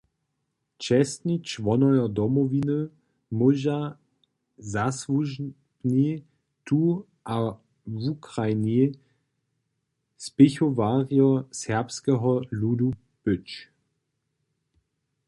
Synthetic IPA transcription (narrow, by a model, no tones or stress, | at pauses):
t͡ʃɛstnit͡ʃʋɔnɔjɔdɔmɔvinə | moʒa | zasvuʒ | ni | tʰu | ʔa | vukʁajni | spɪçovaːʁjɔsɛɐpskɛɦɔludu | bʏt͡ʃ